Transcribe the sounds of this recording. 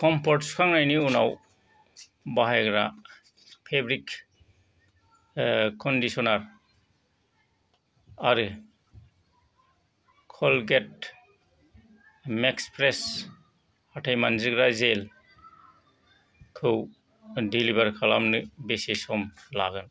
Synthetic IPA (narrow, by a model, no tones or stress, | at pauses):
kʰɔmpʰɔtskʰaŋnajniunaw | baɦaɡɾa | pʰebɾik | kʰɔndisɔnaɾ | aɾɯ | kʰɔlɡet̚ | mekspɾes | atʰajmanziɡɾazel | kʰɯw | dilibaɾkʰalamnɯbesisɔmla̰ɡɯn